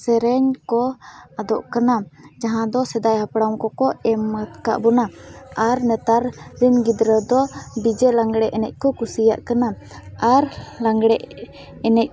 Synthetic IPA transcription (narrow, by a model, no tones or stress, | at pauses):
sɛɾɛɲkɔad̪ɔʔkanad͡ʒaɦãd̪ɔsɛd̪ajhapɽaw̃kɔkɔɛmːət̪ka̰ʔbɔnaaɾnɛt̪aɾɾinɡid̪ɾəd̪ɔɖid͡ʒɛlaŋɡɽɛʔɛnɛc̚ˀkɔkusija̰ʔkana | aɾlaŋɡɽɛʔ | ɛnɛc̚